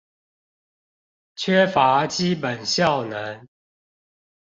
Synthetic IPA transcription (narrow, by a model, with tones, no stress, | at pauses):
t͡ɕʰɥɛ˥˦fa˨˦t͡ɕi˦pə˨˩nɕjɑ˥˨ʊnə˨˦n